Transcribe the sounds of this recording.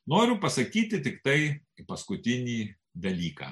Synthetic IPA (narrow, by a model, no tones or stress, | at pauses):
noːɾʲʊpɐsɐkʲiːt̪ʲɪt̪ʲɪkt̪ɐɪ | pɐskʊt̪ʲɪnʲiː | d̪ɐlʲiːka̰ː